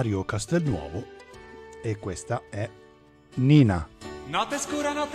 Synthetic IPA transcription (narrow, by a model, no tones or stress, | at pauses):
ɾjokast̪ɛlnwɔ̰ːvo | ekːwest̪aɛ | ninanɔt̪eskuːɾanɔt̪